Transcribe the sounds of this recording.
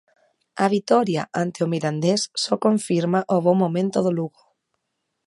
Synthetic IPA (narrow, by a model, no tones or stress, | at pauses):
aβ̞it̪ɔɾja̰ʔant̪eomiɾand̪esːɔkoɱfiɾmaʔoβomːomẽnt̪oðoluɣo